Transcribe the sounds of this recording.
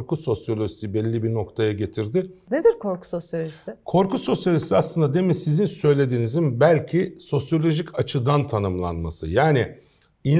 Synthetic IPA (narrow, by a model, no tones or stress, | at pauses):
ɾkʰuso̞sjo̞lʲoʒit̪ʰibɛlʲːibino̞kt̪ʰajaɟe̞t̪ʰiɾd̪ɪned̪iɾkʰoɾkʰu̥sosjolʲoʒisɪkʰo̞ɾkuso̞sjalʲist̪iaslˠɯnd̪ad̪e̞misizinsø̞jlʲe̞d̪iːnizimbælʲcʰiso̞sjo̞lʲo̞ʒicat͡ʃʰɯd̪ant̪ʰanɯmlˠa̰nmasɯ̰jaːnɪ | i